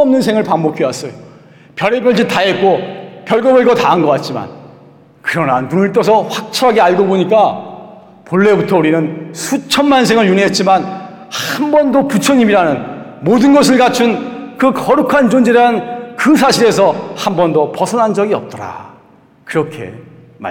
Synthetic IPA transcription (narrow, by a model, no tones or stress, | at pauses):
ʌmnɯnsʰeŋɯɭpaŋbokʰiwas͈ʌjo | pjʌɾebjʌɭd͡ʑitaɦet̚k͈opjʌɭɡʌbɯɭɡʌtaɯnɡʌk͈at̚t͡ɕ͈ima̰n | kɯɾʌnanːunɯɭt͈ʌsʰʌɸwak̚t͡ɕʰʌɦaɡeaɭɡoboɲik͈a | poɭːe̞butʰʌuɾinɯnsʰut͡ɕʰʌnmansʰe̞ŋɯɭjuniɦe̞t̚t͡ɕ͈iman | haambʌndoput͡ɕʰʌɲimiɾanɯnmodɯnɡʌs̬ʰɯɭɡat͡ɕʰunkɯkʌɾukʰand͡ʑond͡ʑeɾaɯnkɯsʰaɕʰiɾe̞s̬ʰʌhambʌndopʌsʰʌnɦand͡ʑʌɡiʌp̚t͈ʌɾa̰ | kɯɾʌkʰe̞̰ | ma̰